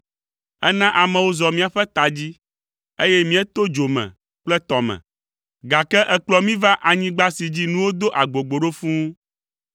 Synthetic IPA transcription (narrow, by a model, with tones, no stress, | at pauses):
ɛ˦nã˦ʔa˨mɛ˨wo˦zɔ˨mĩ˦a˨ɸɛ˦t̪a˨d͡ʑi˦ | e˦jɛ˦mĩ˦ɛ˦t̪o˦d͡ʒo˨mɛ̰̃˨ | k͡plɛ˦t̪ɔ˨mɛ̰̃˨ | ɡa˨kɛ˦ʔɛ˨k͡plɔ˦mĩ˦va˦ʔa˨ɲĩ˦ɡ͡ba˦si˨d͡ʑi˦nũ˦wo˦d̪o˦ʔa˨ɡ͡bo˨ɡ͡bo˨ɖo˦fũ˦